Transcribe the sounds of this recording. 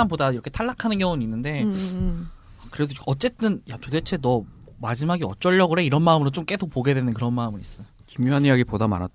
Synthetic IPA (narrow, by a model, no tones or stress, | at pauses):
anbodaiɾʌkʰetʰaɭːakʰanɯnkjʌŋoninːɯnde̞ | akɯɾedoʌt͡ɕ͈e̞t͈ɯnjatode̞t͡ɕʰe̞nʌ | mad͡ʑimaɡiʌt͡ɕ͈ʌʎːʌɡɯɾe̞iɾʌnmaɯmɯɾot͡ɕ͈omk͈e̞sʰopoɡe̞dwe̞nɯnkɯɾʌnmaɯmɯɾis͈ʌokimjoɦanijaɡipodama̰nat̚